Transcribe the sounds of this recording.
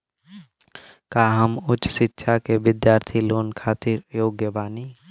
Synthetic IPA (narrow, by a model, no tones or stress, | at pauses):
kaːɦəmʊt͡ʃsɪtːʃʰakeʋɪd̪jaːɾt̪ʰiloːnkʰaːt̪ɪɾjoːɡjəbaːniː